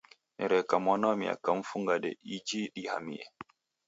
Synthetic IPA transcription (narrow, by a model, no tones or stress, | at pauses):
nɛɾɛkamwanɔmia̰kaɱ̩fuŋɡaɗɛ̰ʔid͡ʒiɗiha̰mḭɛ